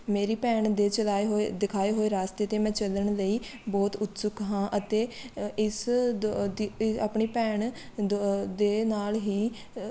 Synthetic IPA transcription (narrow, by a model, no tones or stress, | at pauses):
meːɾiːpɛːɳd̪eːt͡ʃəlaːeɦod̪ɪkʰaːeːɦoːeːɾaːst̪eːt̪eːmɛ̃ːt͡ʃələɳləiːbɔːt̪ʊt̪sʊkɦãːʔət̪eːɪs | d̪iaːpɳiːpɛːɳ | d̪eːnaːlɦiː